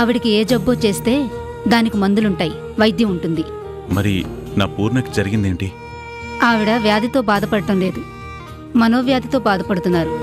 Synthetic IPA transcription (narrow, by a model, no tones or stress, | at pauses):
ɐʋiɽikieːd͡ʒɐbːoːt͡ʃe̞ːst̪e̞ː | d̪aːnikimɐnd̪uluɳʈaːji | ʋɐjd̪jɐuɳʈund̪i | mɐɾḭnaːpuːɾnɐkid͡ʒɐɾiɡind̪eːɳʈi | aːʋiɽɐʋjaːd̪ʱit̪o̞ːbaːd̪ɐpɐɽɐʈɐmle̞ːd̪u | mɐno̞ːʋjaːd̪ʱit̪o̞ːbaːd̪ɐpɐɽut̪unːaːɾu